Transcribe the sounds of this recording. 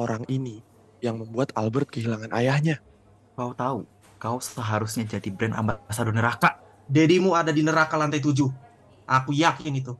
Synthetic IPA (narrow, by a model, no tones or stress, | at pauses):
oɾaŋini | jaŋməmbuat̪albərt̪̚kəɦilaŋanʔa̰jahɲa | kaut̪au | kausəɦaɾusɲad͡ʒadibɾɛna̰mbat̪̚basadonəɾakaʔ | dedimuadadinəɾakalant̪ajt̪̬ud͡ʒuh | ʔakujakɪnit̪u